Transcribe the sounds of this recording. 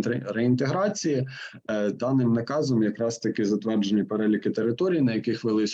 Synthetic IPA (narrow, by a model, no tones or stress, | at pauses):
ɾeɪnt̪eɦɾɑt͡sʲiji | d̪ɑnɪmnɐkɑzɔmjɐkɾɑst̪ɐkɪzɐt̪ʋɛrd͡ʒenʲːɐpeɾɛlʲikɪt̪eɾɪt̪ɔɾʲijinɐjɐkɪxʋelˠɪsʲ